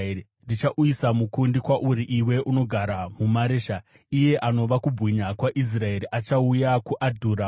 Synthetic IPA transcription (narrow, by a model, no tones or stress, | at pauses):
ndit͡ʃaʔuisamukundikwaʔuɾiʔiwe̞ʔuno̞ɡʱaɾamumaɾeːʃa | ije̞ʔano̞ʋakubʱwiɲakwaʔis̬rae̞ɾiʔat͡ʃaujakuʔadʱuːɾa